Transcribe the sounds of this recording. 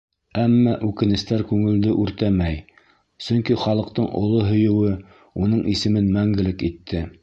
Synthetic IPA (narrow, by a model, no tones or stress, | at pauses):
æmːæʔʉkɘ̆nɘ̆st̪æɾkʉŋɘ̆ld̪ɘʔʉɾt̪æmæj | sɵ̆ŋkiχɑlˠɤ̆q̚t̪ɤɴʔŏ̰lˠoɦɵ̆jɘ̆wɘ | unɤɴisɘ̆mɘnmæŋɡɘ̆lɘkit̪ʰːɘ